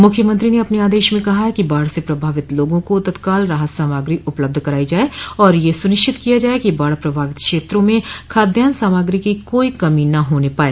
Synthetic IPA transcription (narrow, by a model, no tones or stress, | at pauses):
mʊkʰjəmə̃nt̪ɾineɐpneaːd̪eːʃmẽkɐɦaɦɛkibaːɽsepɾɐbʱaːʋɪt̪loːɡõkot̪ɐt̪kaːlɾaɦət̪saːmaːɡɾiʔʊpləb̚d̪ʱkɐɾaːid͡ʒaːeɔːɾjesʊnɪʃt͡ʃɪt̪kijad͡ʒaːekibaːɽpɾɐbʱaːʋɪt̪kʃeːt̪ɾõmẽkʰaːd̪jaːnsaːmaːɡɾikikoːikɐminɐɦoːnepaːeː